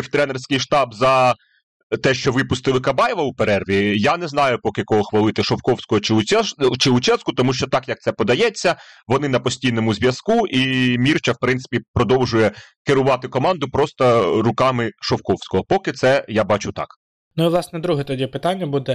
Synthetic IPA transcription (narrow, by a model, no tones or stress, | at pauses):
wt̪ɾɛnersʲkɪjʃt̪ɑbzɐ | t̪ɛʃt͡ʃɔʋɪpʊst̪ɪlˠɪkɐbɑjɛʋɐʊpeɾɛrʋʲijanɛzn̪ɑjʊpɔkɪkɔɦɔxʋɐlˠɪt̪ɪʃɔwkɔwsʲkɔɦɔt͡ʃɪʊɛt͡ʃɪʊt͡ʃɛskʊt̪ɔmuʃt͡ʃɔt̪ɑkjɐk̪̚sɛpɔd̪ɐjɛt͡sʲːɐʋɔnɪnɐpɔsʲtʲijnɔmʊzʲʋʲjɐskuʔimʲirt͡ʃɐwpɾɪnt̪ɪ̥pʲipɾɔd̪ɔwʒʊjɛkɪɾʊʋɑt̪ɪkɔmɑnd̪ʊpɾɔst̪ɐrʊkɑmɪʃɔwkɔwsʲkɔɦɔpɔkɪt̪sɛjabɑt͡ʃʊt̪ɑ̰k | nʊiʋlˠɑsnɛd̪ɾuɦɛt̪ɔdʲipɪt̪anʲːɐbud̪ɛ